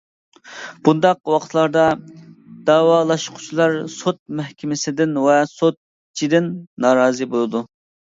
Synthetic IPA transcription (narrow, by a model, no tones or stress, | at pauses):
b̥und̪ɑqwɑqʰt̪ʰlˠɑɾd̪ɑ | d̪̥ɑːwɑːlˠɑʃqʰʊ̥t͡ʃʰilˠɑɾsot̪̚mɛhkʲʰɪmɪsɪd̪ɪnwɛsot̪̚ | t͡ʃʰid̪ɪnːɑːɾɑːzɨbolˠɨd̪u